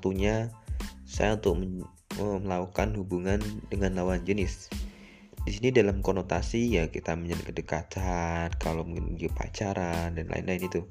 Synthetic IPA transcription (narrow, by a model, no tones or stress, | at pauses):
t̪uɲa | sa̰jaunt̪ʊk̚mə | əməlaukanhubuŋandəŋanlawand͡ʒənɪs | disinidalamkonot̪asijakit̪aməɲankədəkat̪ankalomnɡipa̰t͡ʃaɾandanla̰ɪ̰nlaɪnit̪u